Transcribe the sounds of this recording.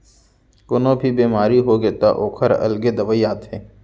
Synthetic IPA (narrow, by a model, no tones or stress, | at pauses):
ɡʊnõbʱibeːmaːɾiɦoɡet̪a̰ʔoːkʰəɾɐ̰lɡed̪ɐʋəiaːt̪eː